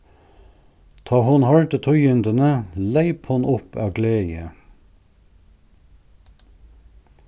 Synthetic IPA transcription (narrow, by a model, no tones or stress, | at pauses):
t̪ʰɑːhʊnhɑɹt̪ət̪ʰʊʏʏnd̪ənəlæɪphʊnʔʊpʰɑːɡleːjə